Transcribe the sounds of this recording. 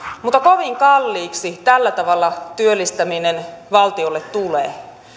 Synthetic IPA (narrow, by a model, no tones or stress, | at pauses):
mut̪ːɑkoʋiŋkɑlːiːksit̪ælːæt̪ɑʋɑlːɑt̪yølːist̪æminenʋɑlt̪iolːet̪t̪uleː